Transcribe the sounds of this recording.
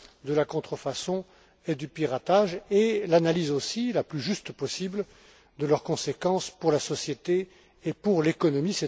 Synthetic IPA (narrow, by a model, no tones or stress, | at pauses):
d̪əlakɔ̃t̪χəfasɔ̃ | ed̪ypiʁat̪aʒelanalizosilaplyʒyst̪pɔsibl | d̪əlœʁkɔ̃sekɑ̃spuʁlasɔsjet̪eː | puʁlekɔnɔmisɛ